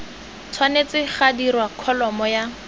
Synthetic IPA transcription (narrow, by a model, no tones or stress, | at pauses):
t͡sʰwanet͡sɪχadirwakʰɔlɔmɔja